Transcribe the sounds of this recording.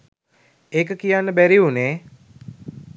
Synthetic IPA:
eːkəkijanːəbæɾiuneː

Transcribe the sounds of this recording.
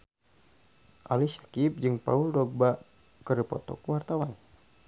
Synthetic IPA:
ʔalisḁkip̚d͡ʒɨŋpa̰uldɔk̚ba | kəɾipɔ̰t̪ɔ̰kwart̪awan

